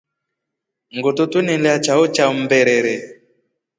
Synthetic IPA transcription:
ŋɡotutunɛlɛat͡ʃaɔt͡ʃam̩bɛɾɛɾɛ

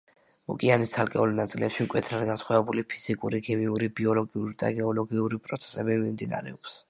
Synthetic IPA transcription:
ɔ̰kʼianist̪ʰalkʼɛulnat̪sʼilɛpʃimkʼwɛt̪ʰɾad̪ɡansχwavɛbulipʰi̥z̥ikʼuɾikʰɛmiuɾibiɔlɔɡiuɾid̪̥a̰ɡɛɔlɔɡiuɾipʼɾɔt̪sʰɛ̥sɛbimimd̪ina̰ɾɛɔps

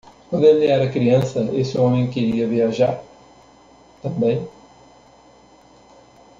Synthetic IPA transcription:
kɐ̃d̪ẽd̪ɛɾɐkɾiɐ̃nsɐesɪɔmẽj̃keɾiɐviɐʒaɾ | t̪ɐ̃mbẽj̃

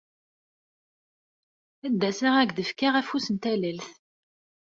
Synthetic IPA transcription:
æd̪ːæsiʁæɡðəfkaʁæfusənt̪æləlθ

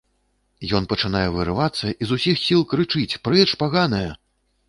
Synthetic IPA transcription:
jɔn̪pɐt͡ʂɨnajɛvɨɾɨvat̪sːɐʔizusʲixsʲilˠkɾɨt͡ʂɨt͡sʲpɾɛʂpaɣanɐjɐ

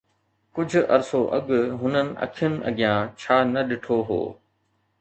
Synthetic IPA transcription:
kʊd͡ʑʱʊ̆ʔɐ̰ɾsoʔɐɠɦʊnənɪ̆ʔɐ̰kʰɪjʊnɪ̆ʔɐ̰ɠɪjãːt͡ɕʰaːnɐɗɪʈʰoːɦo̰ː

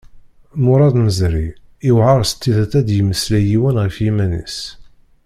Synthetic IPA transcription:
mʊɾˤɑðməzɾḭ | iwʕɑɾˤst̪ːiðæt̪ːæd̪jəməslæjiwənʁəfjimænḭs

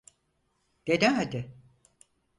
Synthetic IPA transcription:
d̪̥ed̪ɪɦad̪ɪ

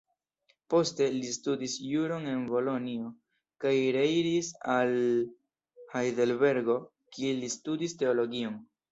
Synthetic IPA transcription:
po̞ste̞listudisjuɾo̞ne̞nbo̞lo̞nio̞ | kajɾe̞iɾisal | hajde̞lbe̞ɾɡo̞ | kʰielistudiste̞o̞lo̞ɡio̞n

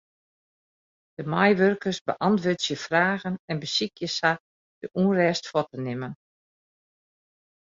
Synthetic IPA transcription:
d̥əmajʋørkərsbə̰ʔɑntʋøːtsjəfraːɣənɛnbəsikjəsa | d̥əʔuːrɛːstfɔtənɪmən

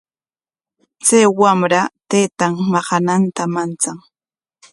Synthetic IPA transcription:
t͡sajwamɾat̪ajt̪aŋmɑɢɑnant̪amant͡saŋ

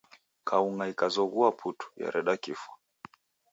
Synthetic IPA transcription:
kauŋaikazɔɣuapʰutu̥ja̰ɾɛɗakifwa

